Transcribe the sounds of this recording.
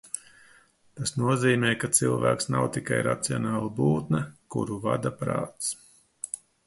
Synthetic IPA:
t̪asnuɔziːmɛːkat̪silˠvæ̰ːksnawt̪ikajɾa̰t̪siɔnaːlˠabuːt̪nɐkṵɾuva̰d̪apɾa̰ːt̪s

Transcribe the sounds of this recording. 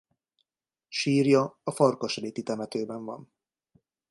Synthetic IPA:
ʃiːrjɒɒfɒrkoʃreːt̪it̪ɛmɛt̪øːbɛɱvɒ̰n

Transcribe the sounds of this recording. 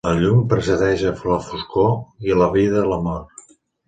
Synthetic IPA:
ləʎumpɾəsəðɛʃəfɾofuskoiləβiðələmɔr

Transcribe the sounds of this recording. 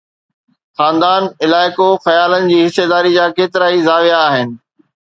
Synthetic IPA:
xaːnd̪aːnɪlaːɪkoxɐjaːlənɪ̆d͡ʑiːɦɪsːed̪aːɾid͡ʑaːkeːt̪ɪɾaːizaːʋijaːɦɪnɪ̆

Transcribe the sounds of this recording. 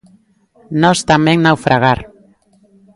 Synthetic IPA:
nost̪ameŋnawfɾʔaɣaɾ

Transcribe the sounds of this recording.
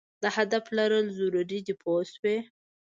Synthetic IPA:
d̪əhad̪aflaɾəlzuɾuɾid̪ɪpʰoswe

